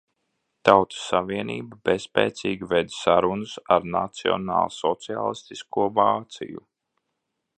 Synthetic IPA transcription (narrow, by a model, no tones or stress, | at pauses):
t̪awt̪u̥sːaviɛnḭːbabespɛːt̪siːɡʲived̪saɾunʊsaɾna̰t̪siɔ̰nɑ̰ːlˠsɔt̪sia̰ːlˠist̪iskuɔvaːt̪sḭjṵ